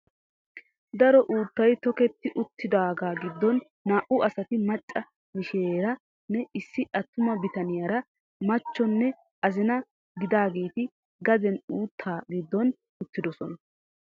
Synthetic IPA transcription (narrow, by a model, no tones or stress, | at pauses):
d̪ɐɾɔʔuːt̪ːɐjt̪ɔkɛt̪ːɪʔʊt̪ːɪd̪aːɡaːɡɪd̪ːɔnː | aːʔʊɐsɐt̪ɪmɐt͡ʃʼːɐ | mɪʃeːɾɐ | nɛɪsːɪʔɐt̪ːʊmɐbɪt̪ɐnɪjaːɾɐ | mɐt͡ʃːɔnːɛ | ʔɐzɪnɐ | ɡɪd̪aːɡe̞ːt̪ɪ | ɡɐd̪ɛnuːt̪ʰːaːɡɪd̪ːɔn | ʊt̪ːɪd̪ɔsɔnɐ